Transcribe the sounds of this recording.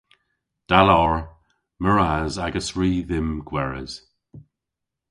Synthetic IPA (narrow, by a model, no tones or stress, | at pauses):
d̥alɔɹ | məɹazaɡəsɹiːðɪmɡ̥wɛɹə̰z̥